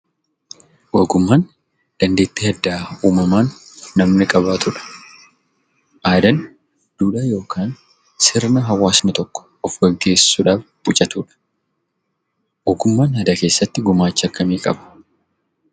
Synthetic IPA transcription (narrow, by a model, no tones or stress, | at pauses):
wɐɡʊmːaːn | d̪̥ɐnd̪e̞ːt̪ːɪɐd̪ːaːuːmɐmaːnːɐmnɪkʼɐbaːt̪ʊᶑɐ̥ | ʔaːd̪ɐn | d̪̥uːᶑaːjo̞ːkʰaːn | sɪɾnɐɦɐwaːsnɪt̪ɔkːɔ̥ | ɔfɡɐɡe̞ːssuːᶑaːf | bʊt͡ʃʼɐt̪uːᶑɐ̥ | wɐːɡʊmːaːnhɐd̪ɐke̞ːsːɐt̪ːɪɡʊmaːt͡ʃːɐkːɐmiːkʼɐbɐ̥